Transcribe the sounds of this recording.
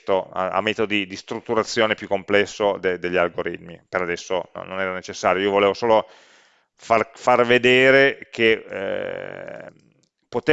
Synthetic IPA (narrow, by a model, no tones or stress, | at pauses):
t̪oa̰a̰mːɛːt̪od̪od̪id̪ist̪ɾut̪ːuɾat̪sːjoːnepjukːomplɛsːod̪ed̪eʎːialɡoɾḭt̪mḭpeɾad̪ɛsːono̰nːonɛːɾanet͡ʃesːaːɾjoiːovoleːvosoːlo | farfarved̪eːɾekʰḛ | pot̪e